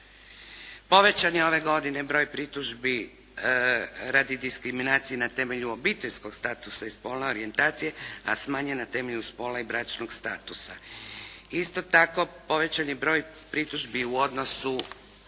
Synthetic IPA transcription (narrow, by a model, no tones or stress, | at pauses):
po̞ʋe̞t͡ɕanio̞ʋe̞ɡo̞d̪ine̞bɾo̞ːjpɾit̪uʒbi | ɾad̪id̪iskɾiminaːt̪sijenat̪e̞me̞ʎuo̞bit̪eʎsko̞ɡ̥st̪aːt̪usaispo̞ːlneoɾie̞nt̪aːt̪sije̞a̰smaːɲenat̪e̞meʎuspo̞ːlaibɾat͡ʃnoɡst̪aːt̪usa | ist̪o̞t̪ako̞po̞ʋe̞t͡ɕanibɾo̞ːj | pɾit̪uʒbiuo̞d̪no̞su